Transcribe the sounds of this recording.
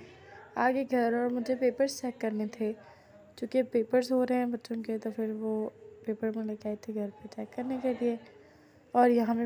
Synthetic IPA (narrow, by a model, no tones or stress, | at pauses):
aːɡeɡʱɐɾɔːɾmʊd͡ʒʱepeːpəɾst͡ʃɛːkːɐɾnet̪ʰe | t͡ʃũːkepeːpəɾzɦoɾɐɦɛ̃bɐtːʃõket̪ofʰɪɾʋopeːpəɾmẽlekeaːet̪ʰeɡʱɐɾpeʈɛːkːɐɾnekelie | ɔːɾjɐɦãmẽ